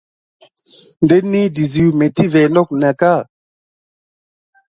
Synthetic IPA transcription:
nde˦nːi˦di˨zi˨me˨ti˦vɛ˨lɔ˦˨k̚na˨ka˦˨

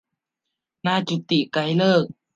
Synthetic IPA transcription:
naː˥˨t͡ɕu˧t̪i˨ʔka˧jləː˥˩k̚

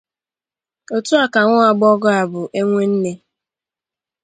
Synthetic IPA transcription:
o˨tu˦a˨ka˨ŋʷʊ˦a˨ɡ͡bɔ˦ɡɔ˦a˨bʊ˨ʔe˦ŋʷe˦n̩˦ne˦

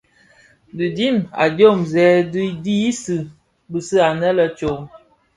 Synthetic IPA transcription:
dɨ˨di˦ma̰˨do˦˨mzɛː˨˦di˦di˦i˦sɨ˨ | bɨ˨sɨ˦a˨nə˦lə˦t͡ʃo˨ŋ

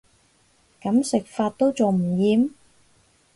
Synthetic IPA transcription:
kɐ˨˥msɪ˨k̚faː˧t̚t̪o˥wt͡so˨wm̩˨˩jiː˨˧m

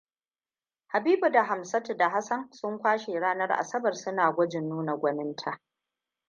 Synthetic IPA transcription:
ha˨biː˦bu˨da˨ɦa˨msɐ˦te˨da˨ɦa˦sɐ˦nsʊ˦ŋkʷaː˦ʃe˨ɽaː˦nɐ˦rʔa̰˨sɐ˦bɐ˨rsʊ˦naː˨ɡʷɔ˦d͡ʒɪ˨nːuː˦na˨ɡʷɐ˦nɪ˦ntʰa˨ʔ

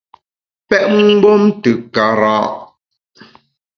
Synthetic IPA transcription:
pɛ˦ʔŋ˦ɡ͡bo˦mtɨ˨ka˨˦ɾã̰ː˦ʔ

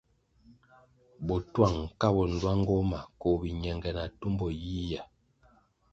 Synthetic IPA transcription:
bɔ˨twa˦˨ŋ˨ka˦bɔ˨n̩˨lwa˦ŋ˦ɡɔ˦ma˨kɔ˨bi˨ɲɛ˨ŋɡɛ˨na˨tu˦mbɔ˨ji˦ja˨

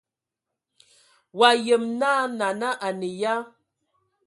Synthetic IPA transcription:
wa˨je˨mna˦na˨na˦ʔa˨ne˨ja˦

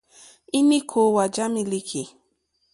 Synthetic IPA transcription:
i˦ni˦kʰo˨wa˨d͡ʒa˦mĩ˧li˦kʰi˨

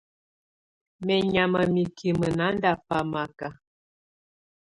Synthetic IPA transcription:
mɛ˨ɲa˨mə˨mi˨kʰi˨mə˨na˨˦n˦da˨pa˨ma˨ka˨

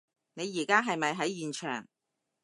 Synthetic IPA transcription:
ne˨˧jiː˨˩kaː˥ɦɐ˨jmɐ˨jɦɐ˨˥jjyː˨nt͡ʃʰœ̰ː˨˩ŋ

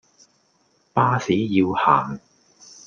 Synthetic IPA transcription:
paː˥siː˨˥jiː˧whaː˨˩ŋ

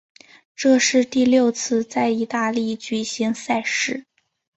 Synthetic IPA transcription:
ʈ͡ʂɤ˥˧ʂɻ̩˥˧t̪i˥˧ljo˥˧ʊt͡sʰɹ̩˥˧t͡sa˥˩ɪi˧˥t̪a˥˧li˥˩t͡ɕy˨˩ɕi˧˥ŋsa˥˧ɪʂɻ̩˥˩

